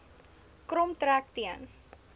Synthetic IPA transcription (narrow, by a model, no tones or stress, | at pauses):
kɾɔmtɾæk̚tiən